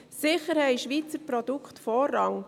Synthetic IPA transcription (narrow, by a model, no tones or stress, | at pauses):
sɪχəɾhɛɪʃʋiːt͡səɾpɾɔd̥̪ukχt̪fɔːrːɑŋ